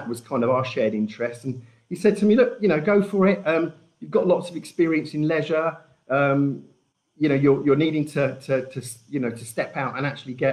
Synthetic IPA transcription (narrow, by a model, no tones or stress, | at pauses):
əʔwɒz̥kʰãɪ̃ndəvaʊəʃɛːɾɪ̃nt͡ʃɹ̥ɛstə̃n̩ | hisɛd̚tʰəmilʊkjəñəʊɡəʊfəɹɪʔʌ̃m | jɨvɡɒʔlɒtsəvɛkspɪəɹiə̃nsɪ̃nlɛʒə | ʌ̃m | jɨnəʊjəjəniːɾɪ̃ŋtʰətʰətʰəsjɨnəʊtʰəstɛpaʊtə̰̃ñak̚t͡ʃul̩ˠiɡɛ